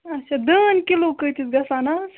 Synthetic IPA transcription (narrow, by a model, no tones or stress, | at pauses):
ɐtt͡ʃʰad̪əːnkiloːkəjt̪ʰisɡɐsaːnas